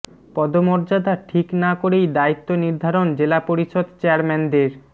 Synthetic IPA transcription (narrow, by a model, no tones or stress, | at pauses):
pɔd̪omoɾd͡ʑad̪aʈʰiknakoɾejd̪ait̪ːoniɾd̪ʱaɾond͡ʑelapoɾiʃod̪t͡ɕeaɾmɛnd̪eɾ